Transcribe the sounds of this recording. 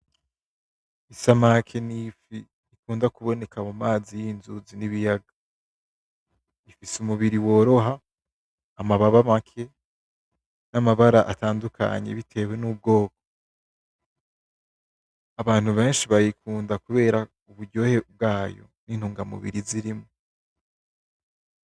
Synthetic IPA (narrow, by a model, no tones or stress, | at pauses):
isamakʰe̞nifi | ikuːndakuβo̞ne̞kamumaːzijinzuziniβijaɡa | ifisumuβiɾiwo̞ːɾo̞ɦaː | maβaβamakʰe̞ | namaβaɾaʔataːndukʰa̰ɲe̞̰βitʰe̞we̞nub̚ɡo̞ːk̚o̥ | aβaːn̥uβẽ̞ːnʃiβajikʰuːndakuβe̞ːɾa | uβuɾɟo̞ːheb̚ɡaːjo̞̰niːn̥uːŋɡamṵβḭɾiziɾimo